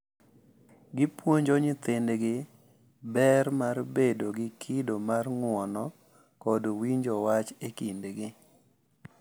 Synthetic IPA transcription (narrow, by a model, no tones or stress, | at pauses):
ɡɪpwoɲd͡ʒɔɲɪt̪ɪndɡɪ | bɛɾmarbedoɡɪkʰɪdomarŋwɔnɔ | kɔdwiɲd͡ʒɔwat͡ʃekindɡɪ